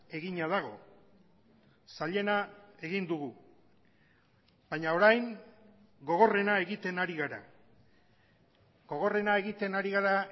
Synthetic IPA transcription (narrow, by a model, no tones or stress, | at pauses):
e̞ɣiɲað̞aɣo̞ | saʎe̞nae̞ɣind̪uɣu | b̥aɲao̞ɾajŋ | ɡo̞ɣ̞o̞re̞nae̞ɣit̪e̞naɾiɣaɾa̰ | ɡ̥o̞ɣ̞o̞re̞nae̞ɣit̪e̞naɾiɣaɾa